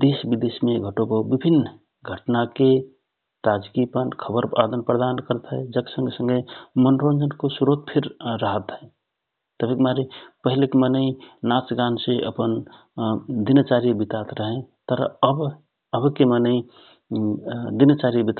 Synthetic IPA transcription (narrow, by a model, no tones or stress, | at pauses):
d̪esbid̪esimẽɡʱəʈobəbibʱinːə | ɡʱəʈnake | t̪ad͡ʒkipənkʰəbəɾad̪ənpɾəd̪ankəɾt̪ɦɛd͡ʒəksə̃ŋɡesə̃ŋɡemənɾond͡ʒənkosuɾot̪pʰiɾːəɦət̪ɦɛ | t̪əbʱikmaɾipəɦilekemənəĩnat͡ʃɡanseʔə̰pən | d̪inət͡ʃaɾiəbit̪at̪ɾəɦẽt̪əɾ̰əb | əbkemənəĩ | d̪inət͡ʃaɾijəbit̪